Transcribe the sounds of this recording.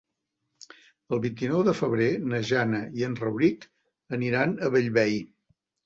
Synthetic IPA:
əlˠβint̪inɔwðəfəβ̞ɾenəʒanəiənrəwɾik | əniɾanəβəʎβɛj

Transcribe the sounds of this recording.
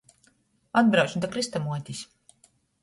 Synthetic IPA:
ad̪̚bɾawt͡ʃd̪akɾist̪amuɔt̪ʲisʲ

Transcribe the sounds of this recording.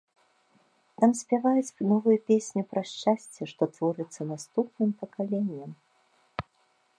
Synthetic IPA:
t̪amsʲpʲavajut͡sʲnɔvɨjɐpʲesʲnʲipɾɐsʃt͡ʂasʲt͡sʲɛʂt̪ɔt̪vɔɾɨt̪sːɐnast̪upnɨmpɐkalʲenʲːɐm

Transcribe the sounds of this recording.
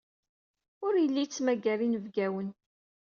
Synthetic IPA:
ʊɾjəlːit͡sːmæɡæɾinəvɡæwən

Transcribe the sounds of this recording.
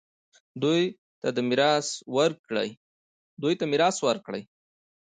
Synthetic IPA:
d̪uj | t̪ad̪əmɪɾɑswəɾkɽə̰j | d̪ujt̪amɪɾɑswəɾkɽə̰j

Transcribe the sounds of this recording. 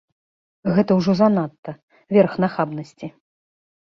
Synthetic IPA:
ɣɛt̪ɐwʐɔzanat̪ːɐ | vʲɛrxnaxabnɐsʲt͡sʲi

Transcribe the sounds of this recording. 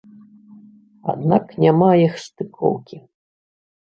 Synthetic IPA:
a̰d̪naknʲamajixst̪ɨkʰɔ̰wkʲi

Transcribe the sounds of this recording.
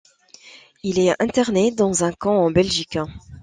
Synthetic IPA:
ilɛɛ̃t̪ɛʁned̪ɑ̃zɛ̃kɑ̃ɑ̃bɛlʒik

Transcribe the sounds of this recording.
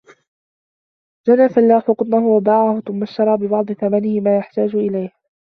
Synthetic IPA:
d͡ʒanaːfalːaːħʊqʊt̪ˤnahʊwabaːʕahʊθʊmːaʃt̪ɑɾˤɑːbɪbɑʕd̪ˤɨθamanɪhɪmaːjaħt̪aːd͡ʒʊʔɪlajh

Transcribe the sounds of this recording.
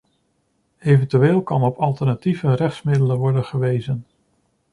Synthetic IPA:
ejvəntyʋeːlˠkɑnɔpɑlˠtəɹnativərɛχtsmɪdələnʋɔɹdənχəʋejzən

